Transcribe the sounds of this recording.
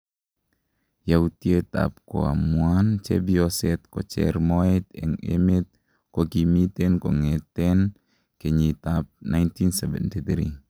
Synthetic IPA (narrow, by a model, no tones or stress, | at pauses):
jautiet̪a̰p̚ko̰a̰muant͡ʃɛ̰biɔsɛt̪̚kɔt͡ʃɛ̰ɾmɔɛtɛ̰ŋḛmet̪̚ | kokimitɛnkɔŋɛtɛn | keɲit̪ap̚najntinsɛvɛ̰ntit̪ɾi